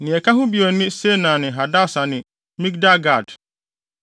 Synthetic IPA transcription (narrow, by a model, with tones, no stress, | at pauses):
nɪ̃˨ɛ˨kʰa˦ɦʊ̃˦bi˨ɔ˨nɪ̃˦se˦nã˨nɪ̃˨ɦa˨da˦˨sa˨nɪ̃˨ | mĩ˦k̚da˦ɡa˦˨d